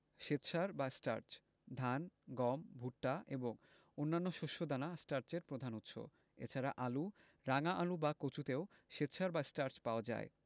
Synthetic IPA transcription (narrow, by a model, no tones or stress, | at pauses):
ʃet̪ːɕʰaɾbasʈa̰ɾt͡ɕ | d̪ʱanɡɔmbʱuʈːaeboŋ | onːanːoʃoʃːod̪anasʈaɾt͡ɕeɾpɾod̪ʱanut̪ːʃʰo̰ | ḛt͡ɕʰaɾaʔalu | ɾaŋaʔalubakot͡ɕut̪eoʃet̪ːɕʰaɾbasʈaɾt͡ɕpaoad͡ʑa̰e